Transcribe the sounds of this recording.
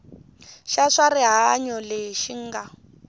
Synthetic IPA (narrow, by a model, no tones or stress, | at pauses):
ʃaʂariɦaɲɔleʃiŋ̩ːɡa